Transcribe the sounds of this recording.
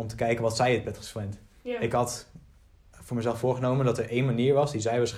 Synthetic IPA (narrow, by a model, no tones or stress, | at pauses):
ɔmtəkɛjkənʋɑtsɛjətbɛtχə̥swɛnt | ɪkɦɑt | vʊːɹməzɛlˠfʊːɹχənowməndɑtəɹʔejnmaniːɹʋɑsdizɛjʋaːɹsχ